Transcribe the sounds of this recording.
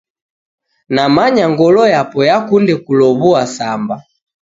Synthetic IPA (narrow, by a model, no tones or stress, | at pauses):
namaɲaŋɡɔlɔjapɔjakundɛkulɔβuasamba